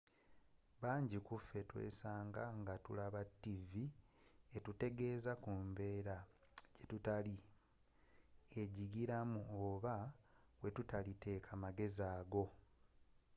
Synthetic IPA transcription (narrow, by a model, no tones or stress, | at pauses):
βaːɲɟikufːe̞twe̞̰ːsaːŋɡaŋɡatṵlaβatːivietute̞ɡe̞ːzakumbe̞ːɾa | ɟetutali | e̞ɟiɡiɾamuoβa | we̞tutalitʰe̞ːkʰamaɡe̞zaːɡo̞